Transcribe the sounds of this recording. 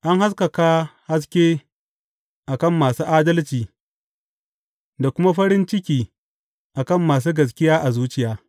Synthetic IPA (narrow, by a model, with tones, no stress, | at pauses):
ʔa˦ŋha˦s̬kɐ˨ka˦ha˦s̬kʲeː˦ | ʔa˨kɐ˦˨mːaː˨suː˦ʔaː˦dɐ˦lt͡ʃiː˨ | da˨kʷʊ˦ma˦ɸɐ˦ɾɪ˦nt͡ʃɪ˦kʲiː˨ | ʔa˨kɐ˦˨mːaː˨s̬uː˦ɡɐ˨s̬kʲɪ˦jaː˦ʔa˨zuː˦t͡ʃɪ˨jaː˦